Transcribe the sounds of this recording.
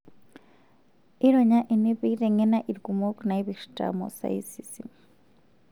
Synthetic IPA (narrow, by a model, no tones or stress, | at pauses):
iɺɔɲaʔinipitʼɛŋɛnaʔiɾkʼumɔkʼnaiβiʂtʼa̰mɔ̰sa̰ḭsisi